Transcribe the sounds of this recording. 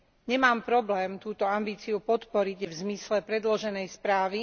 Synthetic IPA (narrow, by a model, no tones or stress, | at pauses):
ɲɛmaːmpɾɔblɛːmt̪uːt̪ɔambiːt͡siupɔt̪pɔɾiɟvzmislɛpɾɛd̪lɔʒɛnɛjspɾaːʋi